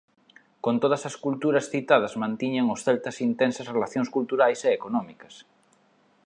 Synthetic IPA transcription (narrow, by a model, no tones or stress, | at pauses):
kont̪oð̞ɐsɐskult̪uɾɐsθit̪að̞ɐzmãnt̪iɲaŋosθɛlt̪ɐsint̪ensɐsrelaθjõŋskult̪uɾajseːkonɔmikɐs